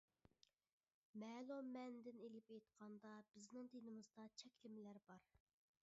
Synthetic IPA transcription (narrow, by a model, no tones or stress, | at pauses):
mɛːlˠumːɛnd̪ɪnelɪpejt̪qʰɑnd̪ɑb̥ɪznɪŋt̪enɪmɨzd̪ɑt͡ʃʰɛkʲlɪmɪlæɾbɑɾ